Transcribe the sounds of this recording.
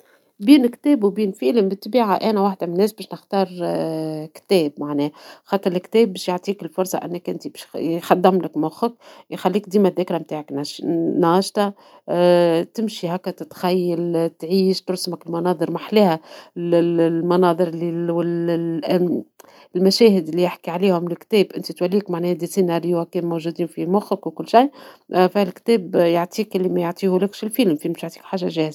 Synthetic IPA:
biːnkt̪ɛːbwbiːnfiːləmbɪt̪ːbiːʕaʔæːnæwaħd̪æmɪnːɛːsbɛːʃnəxt̪ɑːɾˤ | kt̪ɛːbmaʕnɛːxɑːt̪ˤːɨɾˤɪlkt̪ɛːbːɛːʃjoʕt̪ˤiːkɪlfʊɾsˤɑ̰ʔɪ̰nːækʔɪ̰nt̪ibɛʃxɑd̪ːæmlɪkmʊxək̚jxalːiːk̚d̪iːmæðːæːkɾamt̪aːʕaknɑnɑːʃt̪ɑ | t̪ɪmʃiɦækːæt̪ɪt̪xæjːalt̪ʕiːʃt̪ʊɾsməkɪlmɑnɑːðˤɨɾmaħlɛːhælmɑnɑːðˤɨɾliwl | lmæʃɛːɦɪd̪ɪlːijɪħkiʕaliːhʊmlɪlkt̪ɛːbʔɪnt̪it̪wælːiːkmaʕnɛːhæd̪isinaɾɪjakɛːnmowʒud̪iːnfimʊxəkwkʊlːʃajfælkt̪ɛːbjaʕt̪ˤiːkʔɪlːimæjʊʕt̪ˤiːhulekʃilfilmfimbɪʃjaʕt̪iːkħaːʒːaʒɛːhz

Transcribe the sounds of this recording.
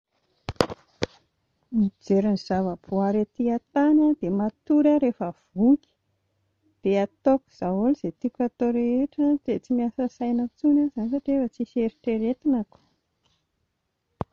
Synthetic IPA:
mid͡zeɾiniz̥avəbʰuaɾet̪iat̪anəd̪̥emat̪uɾaɾefəv̥uki̥ | b̥eat̪oku̥z̥aɦoliz̥et̪ikʲat̪oɾeeʈ͡ʂət̪et͡simiasəsajnət͡sunazanisaʈ͡ʂefət͡siseɾiʈ͡ʂeɾet̪inaku̥

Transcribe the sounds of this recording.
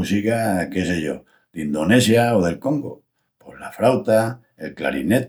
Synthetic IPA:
usikakeseʝo̞̰ | d̪ind̪o̞ne̞sjaoð̞e̞lko̞ŋɡo | pozlafɾawt̪a | elkla̰ɾḭne̞t̪

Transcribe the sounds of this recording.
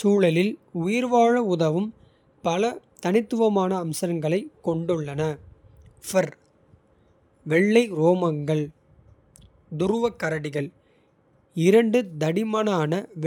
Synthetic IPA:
suːɭɐlɪlʊjɪɾʋaːɻɐʊðɐʋɯm | pɐlɐt̪ɐnɪt̪ːɯʋɐmaːnɐːmsɐɾɐŋɡɐɭɐɪkːɔɳɖɯɭːɐnɐ | fɐɾ | ʋɛɭːɐɪɾoːmɐŋɡɐɭ | d̪ʊɾʊʋɐkːɐɾɐɽɪɣɐɭ | ɪɾɐɳɖɯd̪ɐɽɪmɐnaːnɐʋ

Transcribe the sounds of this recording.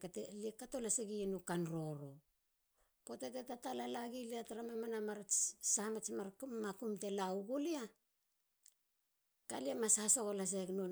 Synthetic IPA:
kateliekato̞laseɡienukanɾo̞ɾo̞ | po̞tetetatalalaɡiliataɾamamanamaɾat͡ʃsamat͡ʃmamakumte̞lauɡulia | kaliamasahso̞ɣolas̬ekno

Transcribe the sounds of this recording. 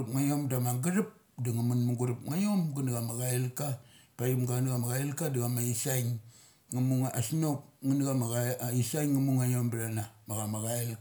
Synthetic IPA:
pŋajomdamaɡaɾip̚ | daŋamunmuɡuɾupŋajomɡunɡamaɡaelkapajumɡanɡamaɡaelkadiɡamaisajŋː | amuŋaasnok̚ŋənɡamaɡaisajŋːamuŋajombɾanamaɡamaɣael

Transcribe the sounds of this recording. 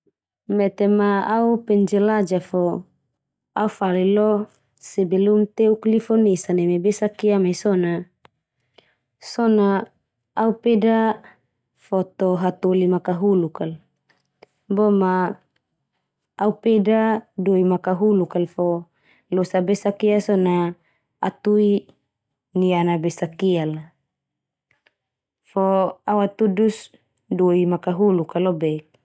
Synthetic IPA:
mɛt̪ɛmaːupɛɲd͡ʒɛlad͡ʒafɔ | aufalilɔ | sebelumt̪euklifɔnesanɛmebesakiamajsɔna | sɔnaː | upeda | fɔt̪ɔɦat̪olimakaɦulukal | bɔma | upedadoimakaɦulukalfɔ | losabesakiasona | at̪ui | nianabesakiala | fɔawat̪udus | doimakaɦulukalobɛk̚

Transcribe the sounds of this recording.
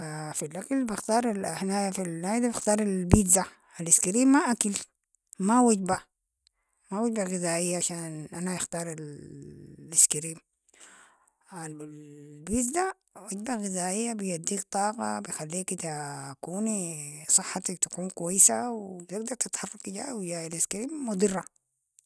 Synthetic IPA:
fafilʔakalbɪxt̪ɑːɾˤalhnajafilnaːjd̪abɪxt̪ɑːɾˤalbiza | alɪskiɾiːmːaʔakal | mawaɟba | mawaɟbaɣizaːʔijːaʔaʃaːnʔanajɪxt̪ɑːɾˤal | ɪskiɾiːm | alblbizd̪a | waɟbaɣizaːʔijːabijad̪ːiːkt̪ˤɑːqɑ̰bijxalːiːkt̪akuːnsˤɨħːat̪akt̪ḁkuːnkwajːsawt̪ɪɡ̚d̪ɑɾˤt̪ɪt̪ħɑrˤːɑkiɟa̰ːwid͡ʒaːaliskiɾiːmːud̪ˤɨrˤːɑ

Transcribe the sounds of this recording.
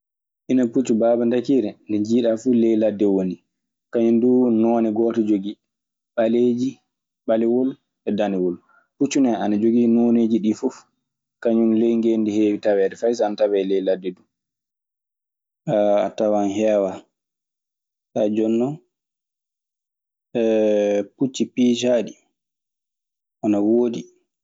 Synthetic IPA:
ʔinaput͡ʃːubaːbandakiːɾɛndɛd͡ʒiːɗafulɛjladːɛwoni | kaɲundunɔːnɛɡɔːtɔd͡ʒoɡi | ɓaleːd͡ʒi | ɓalɛwol | ɛdanɛwɔl | put͡ʃːunɛanad͡ʒoɡinoneːd͡ʒiɗifɔf | kaɲunlejŋɡendiheːwitawɛdɛfajsaanatawɛlɛjladːɛdum | a̰tawanhɛːwa | tad͡ʒɔnːɔ | ɛput͡ʃːipid͡ʒaɗi | ʔanawoːdi

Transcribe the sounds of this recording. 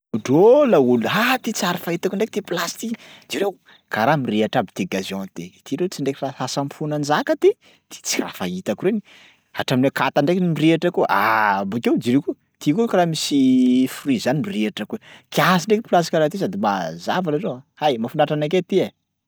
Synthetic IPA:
uɖ͡ʐolauluɦat̪it͡siaɾifait̪akuɳɖ͡ʐek̚t̪iplasi̥t̪id͡ʒiɾew | kaɾamireaʈ͡ʂabit̪eɡaziɔ̃nt̪et̪iɾet͡siɳɖ͡ʐekiraasampunand͡ʒakət̪e | t̪i̥t͡si̥ra̰fait̪akuɾeni | a̰ʈ͡ʂaminakat̪aɳɖ͡ʐekimireʈ͡ʂakuʔa̰bukewd͡ʒiɾeku | t̪ikukaɾamisifurizanimireʈ͡ʂakuekiasiɳɖ͡ʐekiplas̬ti̥kʲaɾat̪is̬ad̪imazavalarewaajmafuɳɖ͡ʐaʈ͡ʂanak̬et̪ia

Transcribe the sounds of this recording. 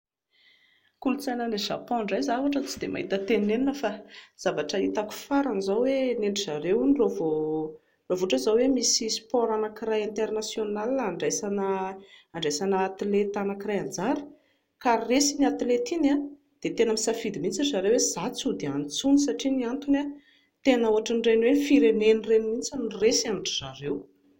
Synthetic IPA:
kulut͡sajnəneʒa̰pɔ̃ɳɖ͡ʐajzavaʈ͡ʂət͡sid̪ema̰ɦit̪ət̪enineninəfaz̥avaʈ͡ʂəit̪aku̥faɾanizawweneɳɖ͡ʐizaɾewunirovo | rovoʈ͡ʂəzawemisispɔɾanakirajent̪eɾnasjonaliaaɳɖ͡ʐajsanəaɳɖ͡ʐajsanəːt̪ilet̪anakirajand͡zaɾə̥ | karesiniat̪ilet̪ina | d̪̥et̪enəmisafid̪imint͡sizaɾewez̥at͡sud̪eant͡sunisaʈ͡ʂiniant̪una | t̪enəuaʈ͡ʂaɳɖ͡ʐenwenifiɾenenirenimint͡saniresaniʈ͡ʂiz̥aɾew

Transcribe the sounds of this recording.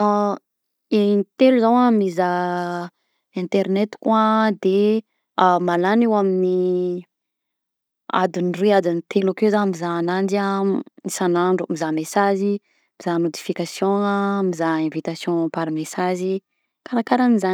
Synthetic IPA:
a | enit̪eluzawamiza | ɛ̃nt̪eɾnet̪i̥kwad̪e | amalanewamini | a̰d̪inruad͡zanit̪ʰelakewzamizaːnand͡ʒianisanaɳɖ͡ʐumizamesazi | mizanod̪i̥fikasjɔ̃amizaẽvit̪asjɔ̃paɾmesazi | kaɾakaɾaniza

